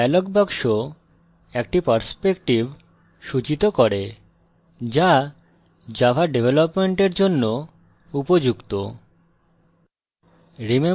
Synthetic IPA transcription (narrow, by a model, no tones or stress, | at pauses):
ɛlokbakʃo | ɛk̚ʈipaɾspekʈib | ʃut͡ɕit̪okoɾe | d͡ʑa | d͡ʑabʱaɖebʱelopmeɳʈeɾd͡ʑonːo | upod͡ʑukt̪o | ɾime